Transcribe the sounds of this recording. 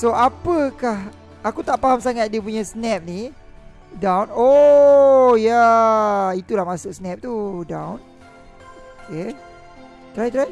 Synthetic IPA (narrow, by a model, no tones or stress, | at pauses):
soʔapəkah | akut̪aʔpaɦamsaŋat̪̚diəp̬uɲasnɛp̚ni | dawno | ja | it̪ulahmasʊk̚snɛp̚t̪udãwn | oke | t̪ɾajt̪ɾaj